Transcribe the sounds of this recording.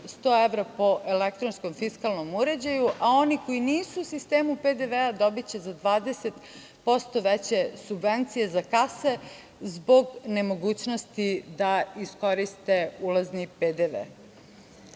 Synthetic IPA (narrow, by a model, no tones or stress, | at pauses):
st̪oːeʋɾapo̞ʔelek̚t̪ɾonsko̞mfiskalˠno̞muɾe̞d͡ʑajuʔao̞niko̞iniːsuːsist̪eːmuped̪eʋead̪o̞bit͡ɕe̞zad̪ʋaːd̪eset̪ | po̞st̪o̞ʋet͡ɕe̞subʋent̪sije̞zakase̞ | zbo̞ɡne̞mo̞ɡuːt͡ɕno̞st̪id̪aisko̞ɾist̪e̞ulazniped̪eʋḛ